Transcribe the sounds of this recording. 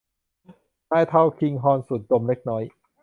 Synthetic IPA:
naː˥˩jt̪ʰa˥˩wkʰi˧ŋɦɔː˧nsu˨˩t̪̚do˧mle˦˥k̚nɔː˦˥j

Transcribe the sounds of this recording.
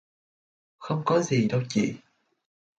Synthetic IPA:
xə˧wŋ͡mkɔ˨˦zi˨˩ɗə˧wt͡ɕḭ˧˨

